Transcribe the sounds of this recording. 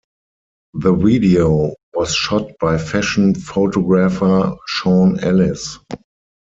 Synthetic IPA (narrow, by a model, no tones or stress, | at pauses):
ðəviːdioʊwɔsʃɔt̚b̥aɪfæʃn̩foʊtɔɡɹafə˞ʃõʊ̃nɛlɪs